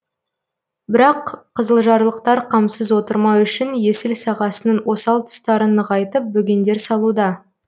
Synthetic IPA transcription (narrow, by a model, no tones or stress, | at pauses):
bɪɾɑqʰːəzəlˠʒɑɾlˠəq̚t̪ɑɾqʰɑmsəzwo̞t̪əɾmɑwʏʃɪnje̞sɪlsɑʁɑsənənwo̞sɑlˠt̪ʰʊ̥st̪ɑɾənəʁɑjt̪əp̚bɵɡʲe̞nd̪e̞ɾsɑlˠud̪ɑ